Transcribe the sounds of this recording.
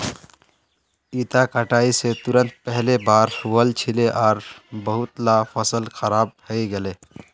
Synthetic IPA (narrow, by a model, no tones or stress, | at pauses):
it̪akəʈaːiset̪uɾə̃nt̪̚pɛɦlebaːɾhuwəlt͡ʃʰileʔɔːɾbəɦʊt̪lapʰəsəlxʰəɾaːb̚həiɡele